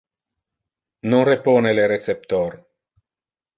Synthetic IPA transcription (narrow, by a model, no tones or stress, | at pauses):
noŋrepoːneleɾet̪sep̚t̪or